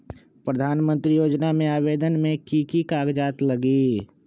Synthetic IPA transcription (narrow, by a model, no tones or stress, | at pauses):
pɾəd̪ʱaːnmə̃nt̪ɾijoːd͡ʒnamẽaːʋeːd̪ənmẽkikikaːɡd͡ʒaːt̪ləɡi